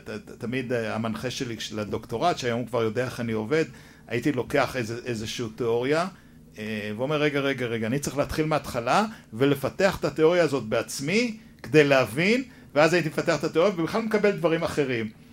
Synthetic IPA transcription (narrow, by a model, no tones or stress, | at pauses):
tat̪amid̪amanχeʃeliʃelad̪o̞kt̪o̞ʁat̪ʃeajo̞mkvaʁjo̞d̪eaeχanio̞ve̞d̪ | ait̪ilo̞ke̞aχezeʔezeʃuut̪eo̞ʁja | eveomeʁːeɡaʁe̞ɡaʁeɡaːnit͡sʁeχleat̪χilmeat̪χalavele̞fat̪eaχe̥t̪at̪eo̞ʁijaːzo̞t̪̚beat͡smi | ked̪e̞jleavin | veazait̪imefat̪eaχet̪at̪eo̞ʁjavebiχlalmekabe̞ld̪vaʁimaχe̞ʁim